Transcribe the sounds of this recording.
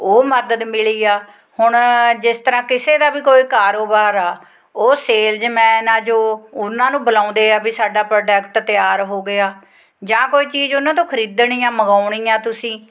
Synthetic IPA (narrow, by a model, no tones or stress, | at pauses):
oːməd̪əd̪mɪliːaː | hʊɳd͡ʒɪst̪əɾãːkɪseːd̪aːbiːkoːiːkaːɾoːbaːɾaː | oːseːld͡ʒmɛ̃ːnãːd͡ʒoːʊnãːnũːbəlãːʊ̃nd̪eːaːbisaːɖaːpɾoːɖɛːkʈt̪ɪjaːɾɦoːɡɪaː | d͡ʒãːkoːiːt͡ʃiːzʊnãːt̪õːkʰəɾiːd̪ɳiːãːməɡaːʊɳ̃iːãːt̪ʊsĩː